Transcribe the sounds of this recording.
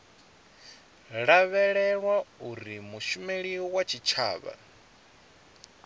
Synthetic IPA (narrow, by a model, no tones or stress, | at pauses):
ɺaβɛɺɛɺwauɾimuʃumeɺiɔwat͡ʃʰit͡ʃʰa̰ːβa̰